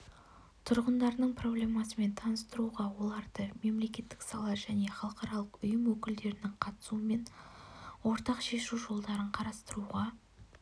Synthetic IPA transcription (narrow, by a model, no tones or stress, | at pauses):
t̪ʰʊɾʁənd̪ɑɾnəɴpʰro̞blʲe̞mɑsəme̞nt̪ʰɑnəst̪əɾuʁɑwo̞lˠɑɾd̪əme̞mle̞kʲe̞t̪ːɪ̥ksɑlˠɑʒæne̞χɑlˠəqɑɾɑlˠəqʊjəmwɵkʲɪld̪e̞ɾɪnɪŋqʰɑt̪ə̥suəme̞n | wo̞ɾt̪ɑqʃe̞ʃuʒo̞lˠd̪ɑɾəɴqʰɑɾɑst̪əɾuʁɑ